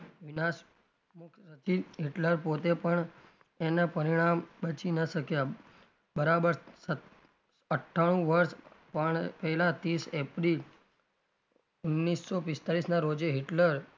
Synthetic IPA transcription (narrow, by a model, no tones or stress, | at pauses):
ʋinas | mʊkʰsət͡ʃiɦiʈləɾpot̪epəɳ | enapəɾiɽ̃ambət͡ʃinəʃəkja | bəɾabəɾə | əʈʰːaɽ̃ũʋəɾʃpəɳpəɦɛlat̪isepɾil | unːisːopɪst̪aɾisnaɾod͡ʒeɦiʈləɾ